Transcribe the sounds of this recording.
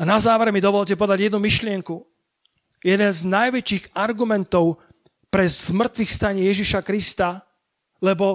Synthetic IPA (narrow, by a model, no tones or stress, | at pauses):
anazaːʋɛɾmid̪ɔʋɔʎc̬ɛpɔd̪aɟjɛd̪numiʃlɪɛŋku | jɛd̪ɛnznajʋɛt͡ʃiːɣaɾɡumɛnt̪ɔʊ | pɾɛzmr̩t̪ʋixfst̪aɲɪɛjɛʒiʃakɾist̪a | lɛbɔ